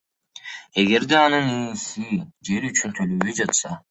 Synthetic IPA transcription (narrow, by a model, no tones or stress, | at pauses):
e̞ɡe̞ɾd̪eɑnɯniːsid͡ʒe̞ɾyt͡ʃynt̪ʰøløβøjd͡ʒɑt̪sɑ